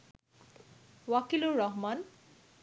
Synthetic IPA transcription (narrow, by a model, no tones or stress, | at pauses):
wakiluɾɹɔɦman